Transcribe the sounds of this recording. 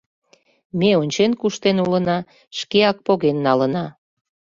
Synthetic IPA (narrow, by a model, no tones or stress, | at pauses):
meonʲt͡ɕenkuʃt̪enulənɑ | ʃkeɑk̚poɣenːɑlənɑ